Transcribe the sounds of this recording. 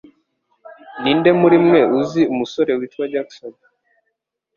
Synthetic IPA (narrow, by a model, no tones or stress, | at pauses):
nindemuɾimŋeuziumusoɾewitwad͡ʒaksɔna